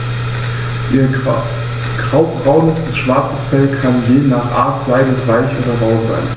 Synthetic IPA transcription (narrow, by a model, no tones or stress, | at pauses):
ʔiːɐ | ɡ̥ʁaʊbbʁaʊnəsb̥ɪsʃv̥aɐt͡səsfɛlkʰanjeːnaːχʔaːɐtz̥aɪdəʁaɪçʔoːdɐʁaʊza̰ɪn